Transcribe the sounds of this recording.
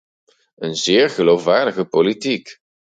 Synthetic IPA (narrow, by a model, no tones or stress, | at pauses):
ʔənzɪːɹɣəlowfʋaːɹdəɣəpolitik